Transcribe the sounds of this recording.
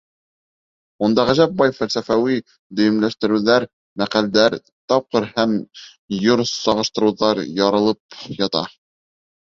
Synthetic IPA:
und̪ɑʁæʒæp̚bɑjfælsæfæwi | d̪ɵ̆jɘ̆mlæʃt̪ɘ̆ɾɘ̆wðæɾ | mæqæld̪æɾ | t̪ɑp̚qɤɾhæm | joɾsɑʁɤ̆ʃt̪ɤ̆ɾɤ̆wðɑɾjɑɾɤ̆lˠɤp̚jɑt̪ɑ̰

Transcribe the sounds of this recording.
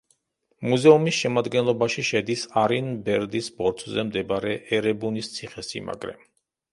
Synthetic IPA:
muzɛumisʃɛmad̪ɡɛnlˠɔbaʃiʃɛd̪isaɾinbɛɾd̪isbɔɾt̪ʰzɛmd̪ɛbaɾɛʔɛɾɛbunist̪sʰiχɛsḭma̰ɡɾɛ̰m

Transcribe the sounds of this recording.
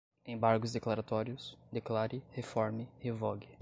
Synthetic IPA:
ẽj̃baɾɡʊzd̪eklaɾat̪ɔɾjʊsd̪eklaɾɪhefɔɾmɪhevɔɡɪ

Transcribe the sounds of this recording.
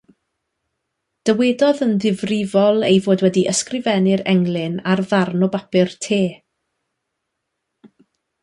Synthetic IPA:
d̥əwedɔðənðɪvrɪvɔlˠejvoːdwɛdiʔəskrɪvɛnɪɾɛŋlˠɪnarðarnɔbapɪrtʰeː

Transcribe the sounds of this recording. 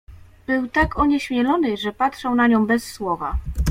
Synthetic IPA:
b̥ɘwt̪akʰɔɲɛɕmʲjɛlɔnɘʐɛpatʂɛw̃naɲɔ̃w̃bɛsːwɔva

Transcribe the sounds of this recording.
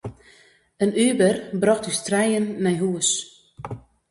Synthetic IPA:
ənyːbərbrɑxtystrɛjənːɛjɦuəs

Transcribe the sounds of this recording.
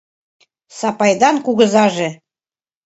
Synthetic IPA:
sɑpɑjd̪ɑnkuɣə̆zɑʒĕ

